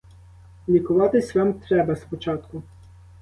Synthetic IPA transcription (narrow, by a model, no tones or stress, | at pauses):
lʲikʊʋɑt̪ɪsʲʋamt̪ɾɛbɐspɔt͡ʃɑt̪kʊ